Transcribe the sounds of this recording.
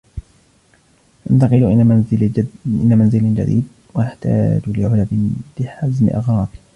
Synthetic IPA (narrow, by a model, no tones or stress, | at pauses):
ʔɪnt̪ɑqɨlʔ | ʔɪ̰nːamanzɪlɪnd͡ʒa̰d̪ḭːd̪̚ | wajaħt̪a̰ːd͡ʒlɪʕʊlabɪb̥ɪħazmɪ̰ʔɪ̰ɣɾˤɑːq